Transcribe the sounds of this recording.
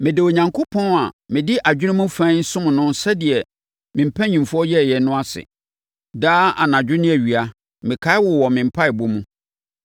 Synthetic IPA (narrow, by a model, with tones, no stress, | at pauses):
mɪ̃˨dɪ˨o˨ɲã˨ŋkʰo˦pʰɔ̃˦na˨mɪ̃˨dɪ˦ʔa˨d͡ʑᶣɪ˦ɪ̃˦mũ˦fã˦n̩˦sʊ̃˦m̃˨nʊ̃˦nsɛ˦dɪ˨ɛ˨ | mɪ̃˨m̩˨pʰæ˦ɲĩ˨mfʊ˦ɔ˦jɛ˦˨jɛ˨nʊ̃˦a˦sɪ̰˨ | daː˦a̰˨nã˨d͡ʑᶣʊ˦nɪ̃˦æ˨ɥi˨a˦ | mɪ̃˨kʰa˦ɪ˦wɔ˨wɔ˨mɪ̃˨m̩˨pʰa˦ɪ˨bo˦mũ˦